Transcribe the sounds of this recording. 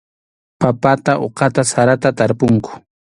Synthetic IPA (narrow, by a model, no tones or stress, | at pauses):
papat̪aʔoqɑt̪asaɾat̪at̪aɾpʊŋkʊ̥